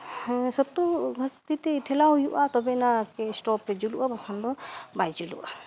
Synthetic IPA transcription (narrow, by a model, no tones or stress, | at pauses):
sɔt̪uɡʱast̪it̪ɛʈʰɛlaɦujuʔat̪ɔbɛnakɛsʈɔpːɛd͡ʒuluʔabakʰand̪ɔbajd͡ʒulṵʔa